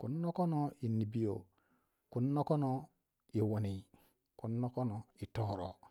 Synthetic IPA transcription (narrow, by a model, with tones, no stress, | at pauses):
ku˨nːo˦ko˦no˦i˨nːi˨bi˦jo̰˨ | ku˨nːo˦ko˦no˦ | i˨wo˨ni˨ | ku˨˦nːo˦ko˦nɔ˨i˨to˦˨ɾo̰˨